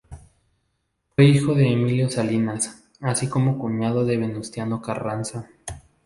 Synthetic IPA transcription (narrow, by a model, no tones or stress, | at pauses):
fwe̞ixo̞ðe̞ːmiljo̞salinas | asiko̞mo̞kuɲað̞o̞ðe̞βe̞nust̪jano̞karansa